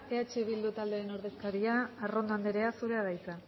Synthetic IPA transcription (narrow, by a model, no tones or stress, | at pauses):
e̞at͡ʃeβild̪ut̪ald̪eɾeno̞ɾðe̞skaɾiaːro̞nd̪oand̪eɾe̞asuɾe̞aðajt͡s̪a